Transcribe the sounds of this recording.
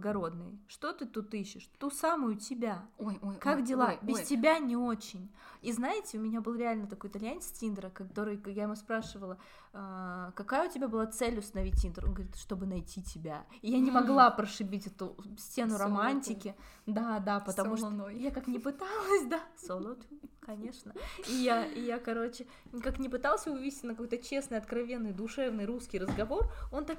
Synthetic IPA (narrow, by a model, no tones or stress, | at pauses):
ɡɐɾo̞d̪nɨ̰jʂt̪o̞t̪ɨt̪ut̪iɕːɪʂt̪usamʊjʊtʲɪbʲakakdʲɪlˠabʲɪstʲɪbʲanʲɪo̞t͡ɕɪnʲiznaɪtʲɪʊmʲɪnʲabɨlˠɾʲɪalʲnət̪ɐko̞jɪt̪ɐlʲjanʲɪtʲind̪ɾəkɐt̪o̞ɾɨjkjaɪmuspɾaʂɨvəlˠə | kɐkajəʊtʲɪbʲabɨlˠat̪sɛlʲʊst̪ənɐvʲitʲind̪ɾonɡəɐvɾʲit̪ʂt̪o̞bɨnɐjtʲitʲɪbʲa | ɪjanʲɪmɐɡlˠapɾəʂɨbʲitʲɛt̪ʊsʲtʲenʊɾɐmanʲtʲɪkʲɪ | d̪ad̪apət̪ɐmuʂjakaknʲɪpɨt̪alˠəsʲd̪asolˠot̪kɐnʲe̞ʂnəijaɪjakɐɾo̞t͡ɕɪ | kaknʲɪpɨt̪alˠsʲəʊvvʲisʲɪtʲnəkɐko̞jt̪ət͡ɕe̞snɨjɐt̪kɾɐvʲe̞nːɨjd̪ʊʂɛvnɨjɾuskʲijrəzɡɐvo̞ro̞nt̪ak